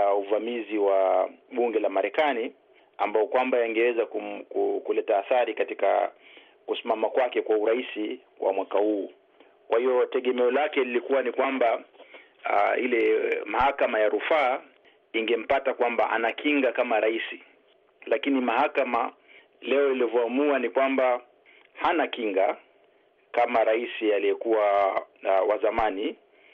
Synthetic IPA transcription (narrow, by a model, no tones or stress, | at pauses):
auvamiziwaɓuŋɡɛlamaɾɛkani | a̰mbaɔkwambajaŋɡɛwɛzakukukulɛtaːθaɾikatika̰ | kusimamakwakɛkwauɾaisi | wa̰mwakahuː | kwahijɔtɛɠɛmɛɔlakɛlilikuwanikwamba | ahilɛmahakamajaɾufaː | iŋɡɛm̩patakwambaʔa̰nakiŋɡakamaɾaisi | lakinimahakama | lɛɔilivɔamuanikwamba | hanakiŋɡa | kamaɾaisialijɛkuwa | wazamani